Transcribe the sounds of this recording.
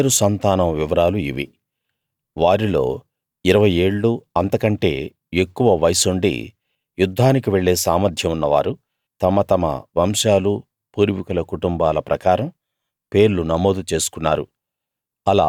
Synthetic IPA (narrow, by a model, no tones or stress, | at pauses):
ɾusɐnt̪aːnɐmʋiʋɐɾaːluḭʋḭ | ʋaːɾilo̞̰ː | iɾɐʋɐje̞ːɭːuɐnt̪ɐkɐɳʈe̞̰ː | ekːuʋɐʋɐjsuɳɖḭ | jud̪ʱːaːnikiʋe̞ɭːe̞ːsaːmɐɾd̪ʱjɐmunːɐʋa̰ːɾu | t̪ɐmɐt̪ɐmɐ̰ʋɐmʃaːlu | puːɾʋikulɐkuʈumbaːlɐpɾɐkaːɾɐm | pe̞ːɾlunɐmo̞ːd̪ut͡ʃe̞ːsu̥kunːaːɾṵ | ɐla̰ː